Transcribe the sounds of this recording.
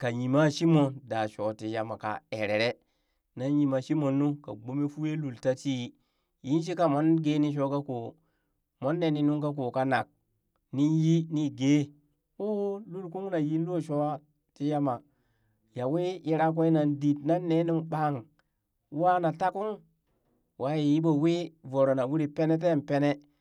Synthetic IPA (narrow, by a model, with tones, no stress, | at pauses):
ka˨ji˨ma˦ʃi˦mo˨nda˨ʃo˨ti˨ja˨ma˨ka̰˨e˨ɾe˨ɾe˦ | na˦ji˨ma˨ʃi˦mo˨nːu˦ka̰˨ɡ͡bo˦me˦fu˦je˦lu˨lta˦ti˦ | ji˦nʃ̬i˦ka˦mo˦nɡe˦ni˦ʃ̬o˦ka˦ko˨ | mo˦nːe˨˦ni˦nu˦ŋka˦k̬o˨ka˨na˨k̚ | ni˦ji˦ni˦ɡe˦ | o˦lu˦lku˦ŋ˦na˨ji˦lo˦˨ʃo˦wa˦ | ti˦ja˦ma˨ | ja˨we˦i˦ɾa˦k̬o˦i˦na˨ndi˨tna˦nːe˦nu˦ŋɓa˦˨ŋ˦ | wa˦na˨ta˦ku˦ŋ | wʔa˦ji˨ji˦bo˨we˦vo˨ɾo˨na˨wu˦ɾi˨pe˦ne˦t̬e˦˨m˨pe˦ne˦